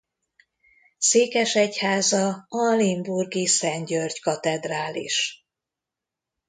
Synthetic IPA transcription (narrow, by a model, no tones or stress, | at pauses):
seːkɛʃɛchaːzɒɒlimburɡisɛɲɟørɟkɒt̪ɛd̪raːlḭʃ